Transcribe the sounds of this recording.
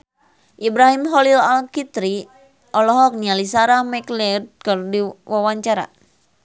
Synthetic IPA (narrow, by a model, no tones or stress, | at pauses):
ʔibɾaɦimɦɔlilalkit̪ɾi | ʔɔlɔɦɔk̚nialisaɾamɛklid̪̚kɨrdiwʔawaɲt͡ʃaɾa̰